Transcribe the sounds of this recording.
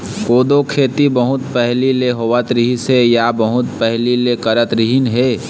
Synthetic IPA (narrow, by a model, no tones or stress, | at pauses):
koːd̪okʰeːt̪ibəɦʊt̪pɛɦlileɦoʋət̪ɾiɦisejabəɦʊt̪pɛɦlilekəɾət̪ɾɪɦinɦeː